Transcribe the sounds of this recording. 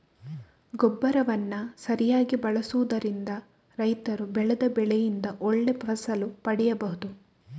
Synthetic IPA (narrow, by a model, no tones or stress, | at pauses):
ɡɔbːɐɾɐʋɐnːɐsɐɾijaːɡibɐɭɐsuʋud̪ɐɾind̪ɐ | ɾɐjt̪ɐɾubɛɭɛd̪ɐbɛɭɛjind̪ɐʔɔɭːepɐsɐlupɐɽɛjɐbɐɦud̪u